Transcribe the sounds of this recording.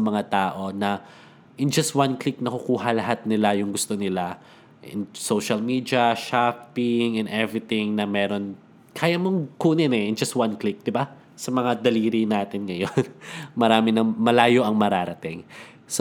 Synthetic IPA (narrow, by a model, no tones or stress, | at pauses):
ɐmɐŋat̪aːʔo̞nɐ | ʔɪnd͡ʒɐst̪̚wanklɪk̚nɐkʊkuːɦɐlɐɦat̪̚nɪlajʊŋɡʊst̪o̞nɪla | ʔɪ̰nsowʃɐlmiːd̪iɐʃapɪŋɛnd̪ɛvɾɪt̪ɪŋnɐmɛːɾo̞n | kʰaːjɐmoŋkuːnɪnɛʔnd͡ʒɐst̪̚wanklɪk̚d̪ɪba | sɐmɐŋad̪ɐliːɾinaːt̪ɪnŋɐjonmɐɾaːmɪnɐmɐlaːjo̞ʔɐŋmɐɾaːɾɐt̪ɪŋ | s